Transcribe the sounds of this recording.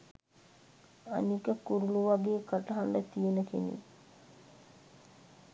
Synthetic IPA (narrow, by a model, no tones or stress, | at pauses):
a̰nikəkuɾuluʋaɡeːkaʈəɦaɳɖət̪ijenəkḛnḭ